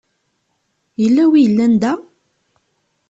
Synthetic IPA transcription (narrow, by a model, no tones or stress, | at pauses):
jəlːæwijəlːænd̪æ